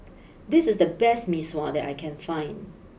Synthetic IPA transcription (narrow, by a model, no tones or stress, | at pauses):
dɪsɪsdəbɛst̚miswɔdɛ̰ta̰ɪkʰɛ̃nfãɪ̃nd